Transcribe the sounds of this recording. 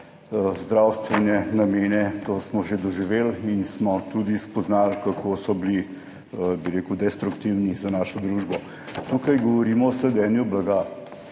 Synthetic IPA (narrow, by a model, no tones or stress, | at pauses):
zd̪ɾawst̪ʋɛnɛnameːnɛt̪oːsmɔʒed̪ɔʒiʋelinsmɔt̪ud̪ispɔznalkakʰosɔbli | biɾeːkud̪ɛst̪ɾukt̪iwnizanaːʃɔd̪ɾuʒbɔ | t̪ukajɡɔʋɔɾiːmɔːslɛd̪ɛːnjublaɡa